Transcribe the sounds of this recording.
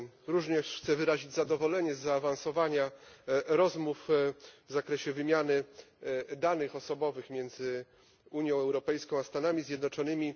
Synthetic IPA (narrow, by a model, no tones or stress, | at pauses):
ɾuʐɲɛʂxt̪sɛvɘɾaʑid͡ʑzad̪ɔvɔlɛɲɛzːaːvansɔvaɲaɾɔzmufvzakɾɛɕɛvɘmʲjanɘ | d̪anɘxɔsɔbɔvɘxmʲjɛnd̪zɘ | uɲjɔ̃w̃ɛwɾɔpɛjskɔ̃w̃ast̪anamʲizʲjɛd̪nɔt͡ʂɔnɘmʲi